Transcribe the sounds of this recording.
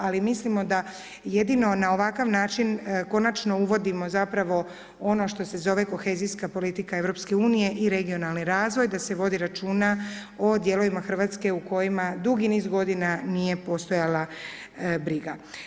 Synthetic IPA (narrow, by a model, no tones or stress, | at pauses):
alimislimo̞d̪a | je̞d̪ino̞nao̞ʋakaʋnaːt͡ʃinko̞nat͡ʃno̞uʋo̞d̪imo̞zapɾaʋo̞ | o̞no̞ʃt̪o̞se̞zo̞ʋe̞ko̞xe̞ːzijskapo̞lit̪ikae̞ʋɾo̞pske̞uːnije̞ʔiɾe̞ɡio̞nalˠniɾaːzʋo̞jd̪ase̞ʋo̞d̪iɾat͡ʃuːnao̞d̪je̞lˠo̞ʋimaxr̩ʋaːt̪ske̞uko̞jimad̪uɡiniːzɡo̞d̪inanije̞po̞st̪o̞jala | bɾiɡa